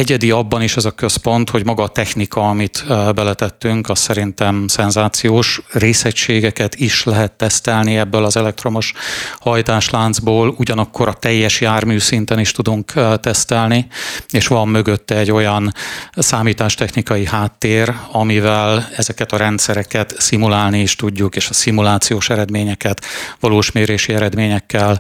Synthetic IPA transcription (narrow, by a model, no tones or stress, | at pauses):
ɛɟɛd̪iɒbːɒniʃɛzɒkøspo̞nt̪ho̞ɟmɒɡɒːt̪ɛxnikɒɒmit̪bɛlɛt̪ɛt̪ːyŋkɒssɛɾint̪ɛmsɛnzaːt̪sijoːʃreːsɛcʃeːɡɛkɛt̪iʃlɛɦɛt̪ːɛst̪ɛlniɛbːølɒzɛlɛk̚t̪ro̞mo̞ʃhɒjt̪aːʃlaːnzboːluɟɒnɒkʰːo̞ɾɒt̪ɛjːɛʃjaːrmyːsint̪ɛniʃt̪ud̪uŋkt̪ɛst̪ɛlnieːʃʋɒmːø̞ɡøt̪ːɛɛɟːo̞jɒnsaːmiːt̪aːʃt̪ɛxnikɒjihaːt̪ːeːrɒmivɛlɛzɛkɛt̪ɒɾɛnt̪sɛɾɛkɛt̪simulaːlnieːʃt̪uɟːukeːʃɒsimulaːt̪sijoːʃɛɾɛd̪meːɲɛkɛt̪ʋɒloːʃmeːɾeːʃiɛɾɛd̪meːɲɛkːɛl